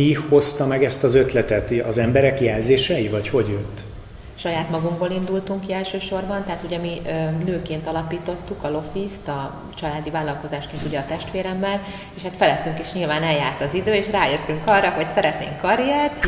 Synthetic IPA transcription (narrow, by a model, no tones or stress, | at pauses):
iho̞st̪ɒmɛɡɛst̪ɒzø̞t̪lɛt̪ɛt̪ɒzɛmbɛɾɛkjɛːlzeːʃɛivɒcho̞ɟjøt̪ː | ʃɒjaːt̪mɒɡuŋɡboːlind̪ult̪uŋkiɛlʃøːʃo̞rbɒnt̪ɛɦaːt̪uɟɛmiʔønøːkeːnt̪ɒlɒpiːt̪o̞t̪ːukɒlo̞fist̪ɒ | t͡ʃɒlaːd̪ivaːlːɒlko̞zaːʃkeːnt̪uɟɛɒt̪ɛʃt̪ʋeːɾɛmːɛl | eːʃhat̪fɛlɛt̪ːyŋkeːʃɲilvaːnɛljaːrt̪ɒzid̪øːeːʃraːjøt̪ːyŋkɒrɒɦocsɛɾɛt̪nḛːŋkːɒɾijɛrt̪